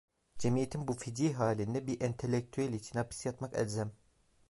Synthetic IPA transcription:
d͡ʒemijet̪ʰinbufid̪iɦaːlʲind̪ɛbiʔɛnt̪ʰelʲːek̚t̪ʰyælʲit͡ʃʰinhapʰi̥sjat̪makɛ̰lʲzæm

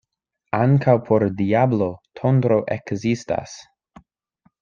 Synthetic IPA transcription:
aŋkʰawpʰo̞ɾdiablotʰondɾoʔekzista̰s

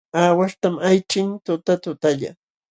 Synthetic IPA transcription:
aːwaʂt̪amajt͡ʃɪnt̪ʊt̪at̪ʊt̪aʎa̰

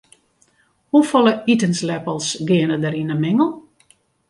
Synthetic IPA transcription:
hufɔlˠəitənslɛpəlˠsɡɪənədəɾinəmɪŋəlˠ

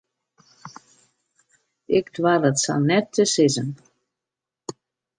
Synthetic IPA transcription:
ɪktwarətsa̰lnɛtʰːəsɪzən

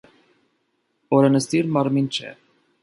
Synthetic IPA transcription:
ɔɾɛnəst̪iɾmɑɾmint͡ʃʰɛ̰

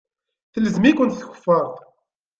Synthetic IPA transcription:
θələzmikʷʊnt̪θçə̥fːəɾˤtˤ

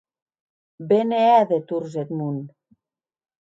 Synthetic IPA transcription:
beneæðet̪urzet̪mun

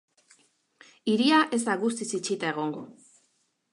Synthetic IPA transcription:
iɾiaʔe̞zd̪aɣust̪isit͡ʃit̪aeɣ̞o̞ŋɡo̞

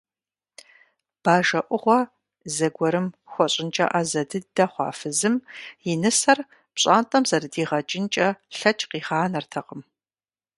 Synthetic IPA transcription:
b̥aːʒɐʔʷʼʊʁʷɔ | zɐɡʷɔɾɨmxʷɔɕʼɪnt͡ʃʼɐ̰ʔɐzɐdɨdɐχʷɑ̰ːfɨzɨmjɪnɨsɐr | pɕʼaːntʼɐmzɐrɨdiːʁɐt͡ʃʼɪnt͡ʃʼɐɬɐt͡ʃʼqiːχaːnɐrtʰɐqəm

